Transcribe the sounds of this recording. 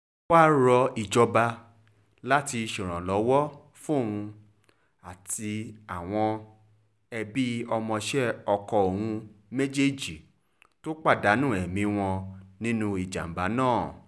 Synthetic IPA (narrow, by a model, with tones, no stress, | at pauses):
wa˦ɾɔ˧i˨d͡ʒɔ˧ba˧ | la˦ti˧ʃĩ˨ɾ̃ã˨lɔ˨˦wɔ˦ | fũ˦o˦˨hũ˧ | a˨ti˧a˨w̃ɔ̃˧ | ɛ˧bi˦ɔ˧mɔ̃˧ʃɛ˦ɔ˧kɔ˧o˨hũ˧me˦d͡ʒe˦˨d͡ʒi˨ | to˦k͡pa˦˨da˨˦nũ˦˨ɛ˨mĩ˧w̃ɔ̃˧nĩ˦nũ˧i˨d͡ʒa̰˨m̩˨ba˨˦nãː˦˨